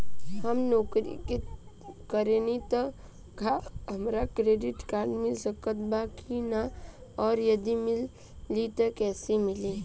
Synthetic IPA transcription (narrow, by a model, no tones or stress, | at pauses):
həmnɔːkɾḭk | kəɾenit̪ɔ | ɡʱaɦəmɾakɾeːɖɪʈkaːɾɖmɪlsəkət̪̚bakʰinaɔːɾjɐd̪imɪlː | it̪ɐkɛːsemɪlẽː